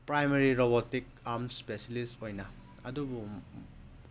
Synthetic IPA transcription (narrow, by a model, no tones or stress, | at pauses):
pɾajmeɾiɾobɔtik̚ | aɾmspeselistojnɐ | ɐdubu